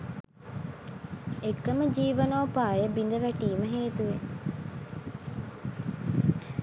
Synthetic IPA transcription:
ekːɐməd͡ʒiːʋɐnoːpaːjəbind̪əʋæʈiːməɦeːt̪uʋe

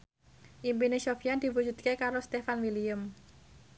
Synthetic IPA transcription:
ʔimpinesofijand̪̥i̤wu̥d͡ʒṳd̪̚kekaɾost̪efanwiliəm

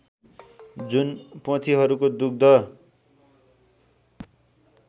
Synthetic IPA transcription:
d͡zunpʌ̃t̪ʰiɦʌɾukod̪uk̚d̪ʌ

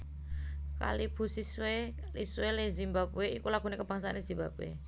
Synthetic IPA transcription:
ka̰lib̥ṳsiswe | liswelezimbabeikulaɡ̥ṳnekəb̥aŋsanesz̥ibabḛ

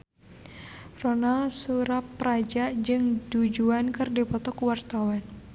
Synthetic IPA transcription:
rɔnasuɾapːɾad͡ʒaʔd͡ʒɨŋdud͡ʒuankɨrdipɔt̪ɔkuwart̪awan

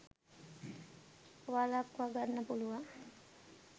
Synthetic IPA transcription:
ʋalakʋaɡaɾnapuluwa

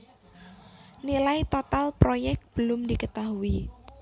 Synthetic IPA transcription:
nilait̪ot̪alpɾojɛk̚t̪̚b̥əlʊmd̪ikət̪aɦui

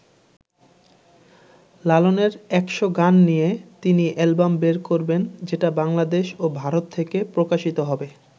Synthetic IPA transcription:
laloneɾɛkʃoɡanːijet̪iniʔɛlbambeɾkoɾbend͡ʑeʈabaŋlad̪eʃobʱaɾot̪ʰːekepɾokaʃit̪oɦɔbe

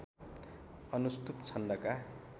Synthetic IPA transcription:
ʌnust̪upt͡sʰʌnɖʌka

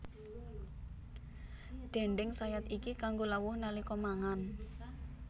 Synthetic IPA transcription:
ɖ̪̥ɛ̤ɳɖɪŋsajat̪ikikaŋɡolawʊhnalikɔmaŋan

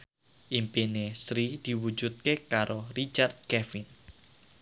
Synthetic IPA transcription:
ʔimpinesɾid̪̥i̤wu̥d͡ʒut̪̚kekaɾʔorit͡ʃard̪̚kɛfin

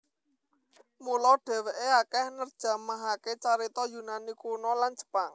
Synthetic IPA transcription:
mulɔɖ̥ɛ̤weʔeakɛhnərd̥ʒ̥a̤maɦaket͡ʃaɾit̪ɔjunanikunɔland͡ʒ̥ə̥paŋ

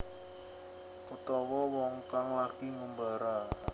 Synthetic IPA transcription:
kut̪ɔwɔwɔŋkaŋlakiŋumbaɾa

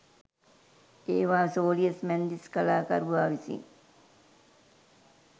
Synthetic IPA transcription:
eːʋaːsoːliəsmænd̪iskalaːkɐ̰ɾuʋaːʋisḭŋ

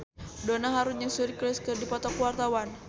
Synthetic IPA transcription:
donaɦaɾunɲaŋsuɾiklɛskɨrdipɔt̪ɔkuwart̪awan

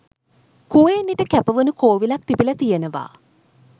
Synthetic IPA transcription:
kuʋeːnːiʈəkæpəʋunukoːʋilak̚t̪ipilət̪ijənəʋa̰ː

